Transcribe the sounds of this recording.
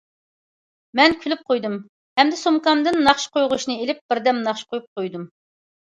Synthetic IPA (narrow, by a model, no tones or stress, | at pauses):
mɛnkʲʰylyp̚qʰojd̪ɨm | hɛmd̪ɪsomkɑmd̪ɨnːɑχʃqojʁʊʃnɨelɪp̚b̥ɪɾd̪ɛmnɑχʃqojup̚qʰojd̪um